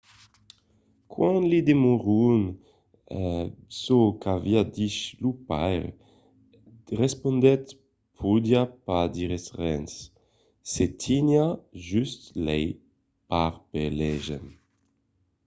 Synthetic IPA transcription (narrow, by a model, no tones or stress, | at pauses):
kwãnlid̪emoʁun | sokaviad̪iʃlupajʁ | ʁespond̪ɛt̪ | pʰud̪iapad̪iʁesʁɛns | set̪ʰinjaʒyst̪lɛj | paʁpelɛʒḛn